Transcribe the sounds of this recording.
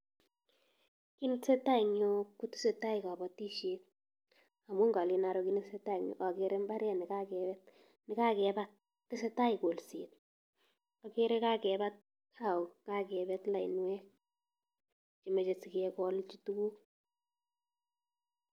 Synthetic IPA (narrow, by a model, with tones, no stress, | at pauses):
ki˦nɪ˦tse˦ta˦i˨ɲo˦kːu˦tɪ̥˦se˨ta˦ɪ˨ka˨bɔ˨ti˦ʃe˨t̚ | a˨mo˦ŋɡa˨li˨na˨ɾo˨ki˦nɪ˦tse˦ta˦i˨ŋɲo̰˨ka˨ke˦ɾe˦mba˦ɾɛ˦nɪ˨ka˦kɛ˨ɛ˦t̚ | nɪ˨ka˦kɛ˨ba˦t | tːɪ˦se˦ta˦i˨ko˨lse˨t | ɔ˨ke˦ɾe˦ka˦kɛ˨ba˦t̚ | kʰa˦˨u˨ka˦kɛ˨bɛ˦tla˨ḭ˨nwɛ˦ | t͡ʃi˨me˨t͡ʃe˨si˨kɛ˦kɔ˦lt͡ʃi˦tu˦ku˦k